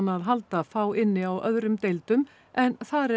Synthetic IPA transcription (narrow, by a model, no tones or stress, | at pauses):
nːaðɦalt̪afaːwɪnːɪawʔœðɾʏmt̪ejlt̪ʏm | ʔɛnθaɾɛ